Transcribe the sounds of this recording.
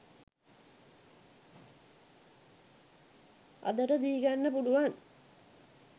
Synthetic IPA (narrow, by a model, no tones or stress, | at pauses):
ɐ̰d̪ɐɾɐd̪iːɡaːnːɐpuɽuʋaːn